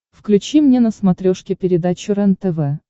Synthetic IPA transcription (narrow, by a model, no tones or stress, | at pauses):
fklʲʉt͡ɕimnʲenəsmɐt̪ɾʲoʂkʲɪpʲɪɾʲɪd̪at͡ɕʊɾɛnt̪ɛvɛ